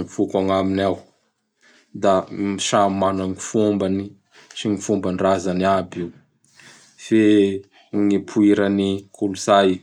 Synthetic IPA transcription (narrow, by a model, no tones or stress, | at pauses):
ŋifukaŋaminaw | d̪amiʃamanaŋifumbani | siŋifumbanrazaniabiw | fe | ŋipʰuiɾanikuluzaj